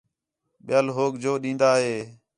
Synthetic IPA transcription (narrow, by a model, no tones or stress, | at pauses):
ɓɪjaːlɦoːɡd͡ʒoːɗĩːnd̪aːɦeː